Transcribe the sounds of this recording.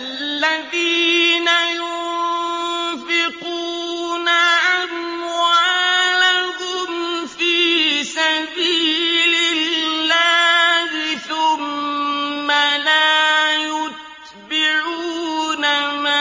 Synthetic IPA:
a | lːaðiːnajʊn | fɪquːnaʔamwalahʊmfiːsabiːlɪlːaːhɪθʊmː | alaːjʊt̪ | bɪɾuːnama

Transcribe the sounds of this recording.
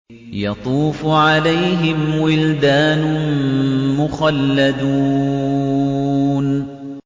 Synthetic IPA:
jɑt̪ˤuːfʕalajɦɪmwɪld̪aːnʊ | mʊxalːad̪u | n

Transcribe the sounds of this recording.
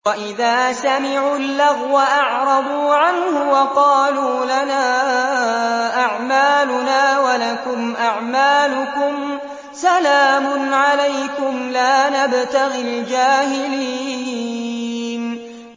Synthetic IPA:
waʔɪðaːsamɪʕuːlːaɣwaʔɑʕɾˤɑbuːʕanhʊwɑqɑːluːlanaː | ʔaʕmaːlʊnaːwalakʊmʔaʕmaːlʊkʊm | salaːmʊnʕalajkʊmlaːnabt̪aɣɪld͡ʒaːhɪliiːiː | n

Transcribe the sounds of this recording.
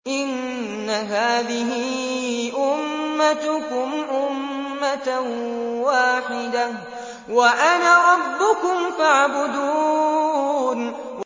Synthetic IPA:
ʔɪnː | aɦaːðɪɦɪʔʊmːat̪ʊkʊmʔʊmːat̪awaːħɪd̪a | waʔanaɾˤɑbːʊkʊmfaʕbʊd̪uː | n

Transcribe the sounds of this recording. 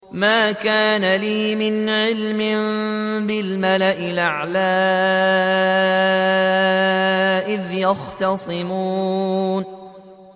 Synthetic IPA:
maːkaːnaliːmɪnʕɪlmɪm | bɪlmalaʔɪlʔaʕlaː | ʔɪðjɑxt̪ɑsˤɨmuːn

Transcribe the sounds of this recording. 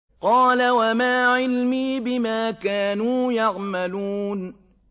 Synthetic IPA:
qɑːlawamaːʕɪlmiːbɪmaːkaːnuːjɑɣmaluːn

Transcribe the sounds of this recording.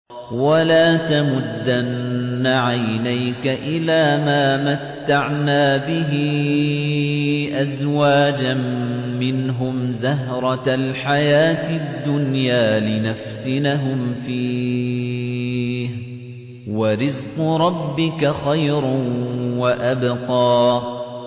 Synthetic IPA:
walaːt̪amʊd̪ːanːaʕajnajkaʔɪlaːmaːmat̪ːaʕnaːbɪɦɪ | ʔazwaːd͡ʒamːɪnɦʊmzaɦɾˤɑalħajaːt̪ɪd̪ːʊnjaːlɪnaft̪ɪnaɦʊmfiː | h | waɾɪzqʊɾˤɑbːɪkaxajɾ | waʔabqɑː

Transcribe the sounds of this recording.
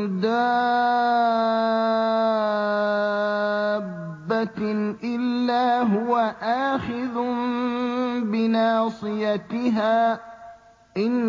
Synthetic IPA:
d̪a | bːat̪ʔɪlːaːɦʊwaʔaːxɪðʊ | bɪnaːsˤɨjat̪ɪɦaː | ʔɪn

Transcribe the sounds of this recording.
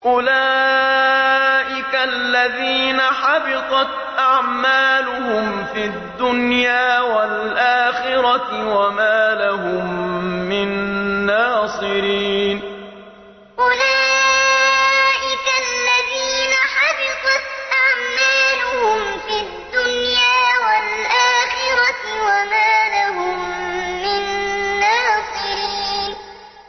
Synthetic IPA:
ʔʊlaː | ʔɪkalːaðiːnaħɑbɪt̪ˤɑt̪ | ʔaʕmaːlʊhʊm | fid̪ːʊnjaːwal | ʔaːxɪɾɑwamaːlaɦʊmːɪnːaːsˤɨɾiːn | ʔʊlaː | ʔɪkalːaðiːnaħɑbɪt̪ˤɑt̪ʔaʕmaːlʊhʊmfid̪ːʊnjaːwalʔaːxɪɾɑwamaːlaɦʊmːɪnːaːsˤɨɾiːn

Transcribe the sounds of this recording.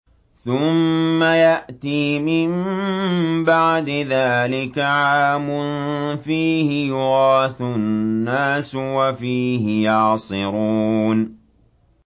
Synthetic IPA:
θʊmːajaʔt̪iːmɪm | baʕd̪ɪðaːlɪkaʕaːmʊnfiːhɪjʊɣɑːθʊnːaːswafiːɦɪjɑʕsˤɨɾuːn

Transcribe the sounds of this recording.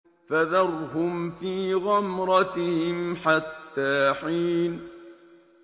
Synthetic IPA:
faðɑɾˤhʊmfiːɣamɾˤɑt̪hɪmħat̪ːaːħiːn

